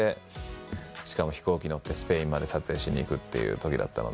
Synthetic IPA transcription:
e̞ | ɕi̥kamo̞çi̥ko̞ːkʲiɲio̞t̪ːe̞sɨ̥pe̞ĩmːad̪e̞sat͡sɨe̞ːɕiɲ̟ʲḭːkɯ̟t̪ːe̞̰jɯ̟̰ːt̪o̞kʲid̪a̰t̪ːa̰no̞̰̥

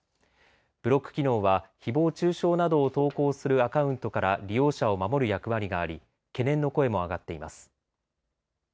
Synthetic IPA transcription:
b̥ɯ̟ɾo̞kːɯ̥kʲino̞ːβaçibo̞ːt͡ɕɨːɕo̞ːnad̪o̞ːt̪o̞ːko̞ːsɨɾɯ̟akaɯ̟̃nt̪o̞kaɾaɾʲijo̞ːɕao̞mamo̞ɾɯ̟jakɯ̟βaɾʲiɡaːɾʲi | ke̞nẽ̞nːo̞ko̞e̞mo̞aɡat̪ːe̞imasɨ̥

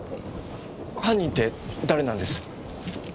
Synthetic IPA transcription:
hãɲ̟ːĩnt̪e̞d̪aɾe̞nãnd̪e̞sɨ̥

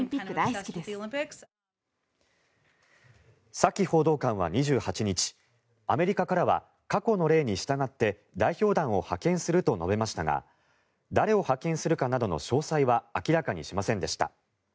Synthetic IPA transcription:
ĩmpʲikːɯd̪aiskʲid̪es | sakʲːiho̞ːd̪o̞ːkãɰ̃β̞a̰ɲ̟iʑɨːhat͡ɕiɲ̟it͡ɕi̥ | ame̞ɾʲikakaɾaβa̰ | kako̞no̞ɾe̞ːɲ̟iɕi̥t̪aɡat̪ːe̞ | d̪aiçʲo̞ːd̪ãɰ̃o̞hakẽ̞ɰ̃sɨɾɯ̟t̪o̞no̞be̞maɕi̥t̪aɡa̰ | d̪aɾe̞o̞hakẽ̞ɰ̃sɨɾɯ̟kanad̪o̞no̞̰ɕo̞ːsaiβaːkʲiɾakaɲ̟iɕimasẽ̞nd̪e̞ɕi̥t̪a̰

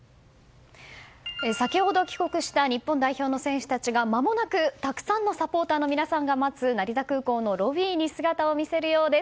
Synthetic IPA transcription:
esakʲiho̞d̪o̞kʲi̥ko̞kɯ̟ɕi̥t̪aɲ̟ipːõ̞nd̪aiço̞ːno̞sẽ̞ɰ̃ɕɨ̥t̪at͡ɕiɡamamo̞nakɯ̟t̪akɯ̟̥sãnːo̞sapo̞ːt̪aːno̞mʲinasãŋɡamazɨnaɾʲizakɯ̟ːko̞ːno̞ɾo̞βʲiːɲ̟isɨɡat̪ao̞mʲise̞ɾɯ̟jo̞ːd̪e̞s

